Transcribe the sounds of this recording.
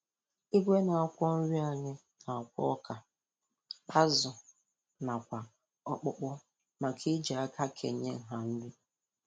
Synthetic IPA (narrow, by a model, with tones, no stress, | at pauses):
i˦ɡʷe˦na˨a˨kʷɔ˦n̩˦ɾi˦a˨ɲɪ˦ | na˨a˨kʷɔ̰˦ɔ˦kʰa˨ | k͡pʰa˦zʊ˨ | na˨kʷa˨ | ɔ˦˨k͡pʊ˦k͡pʊ˦ | ma˨kʰɪ˦d͡ʒa˨a˦ka˦kʰḛ˨ɲe˦ŋ̩˨ɦa˨n̩˦di˦